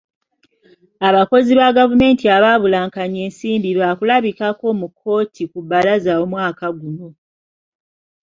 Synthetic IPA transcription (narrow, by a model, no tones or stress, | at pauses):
aβako̞ziβaɡavume̞ːntiaβaβulaːŋkaɲe̞ːnsiːmbiɾwaːkulaβikako̞mukʰːo̞ːtʰikubalazawomwaːkaɡuno̞